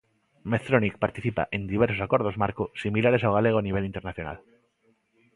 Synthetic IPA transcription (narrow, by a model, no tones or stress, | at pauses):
meθɾonik̚paɾt̪iθipa̰ʔend̪iβ̞eɾsosakwo̞ɾð̞o̞zmaɾkosimilaɾe̞s̬awɣ̞aleɣ̞oaniβe̞lint̪eɾnaθjona̰l